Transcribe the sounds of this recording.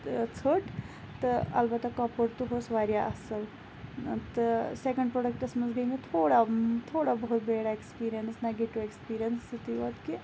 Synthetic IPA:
t͡sʰəʈ | t̪ɨɐ̰lbɐt̪akɐpəɽt̪uɦoːsʋaːɾjaʔɐsəl | t̪ɨsekə̃ɳɖpɾoːɖək̚ʈɐsmɐnzɡəimet̪ʰoːɽat̪ʰoːɽabɐɦut̪beːɽaekspiːɾijənsnɐɡeʈuʋekspiːɾijɐnsːit̪iʋɐt̪ki

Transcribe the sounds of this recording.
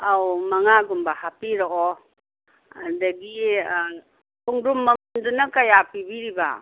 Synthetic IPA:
awmɐŋaɡumbahapiɾɔʔɔ | a̰dɐɡi | pʰuŋɾumːɐndunɐkajapibiɾiba̰

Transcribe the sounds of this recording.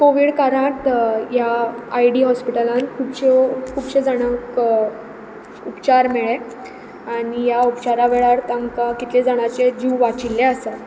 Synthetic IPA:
koʋiɽkaɾãt̪jaajɽiːɦɔspiʈəlãnkʰubɕekʰuːbɕed͡zaɽ̃ək | upt͡ɕaɾmeɭe | aɽijaupt͡ɕaɾaʋeɭaɾt̪ãŋkakit̪lẽd͡zaɽ̃at͡ɕed͡ʑuʋat͡ɕilːeasa

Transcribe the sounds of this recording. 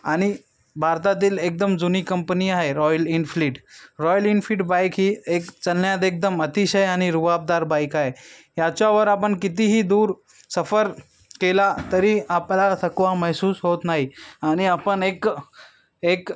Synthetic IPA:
aɽ̃i | bʱaɾt̪at̪̬iːlek̚d̪əmd͡zuniːkəmpəniaɦeɾɔjəlinfliːʈɾɔjəlinfliːʈbajkɦiːekt͡səlːjat̪ek̚d̪əmət̪iɕəjaɽ̃iɾubab̚d̪aɾbajkaɦeɦjat͡ɕjaʋəɾapəɳkit̪̬iɦiːd̪uːɾ | səfəɾ | kelat̪əɾiːaplasəkʋaməɦsuːsɦot̪naɦiañiapəɳek | ek

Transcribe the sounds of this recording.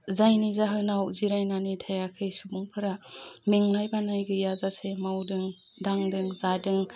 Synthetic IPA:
zajnizaɦɯnawziɾajnanitʰajakʰɯjsubuŋpʰɯɾamiŋnajbanajɡɯjazasemawdɯŋ | daŋdɯŋzadɯŋ

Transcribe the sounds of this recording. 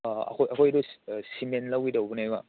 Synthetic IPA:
ɐ̰kʰojɐkʰojdusimenlawidawbunajma

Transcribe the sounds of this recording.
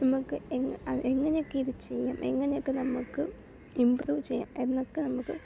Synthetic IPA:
nɐmukːɨeŋɐeŋːɐnejo̞kːeiðit͡ɕejːaːme̞ŋːɐne̞jokːenɐmːukːɨ | imbruːʋt͡ɕejːa̰ːme̞nːo̞kːɨnɐmːukːɨ

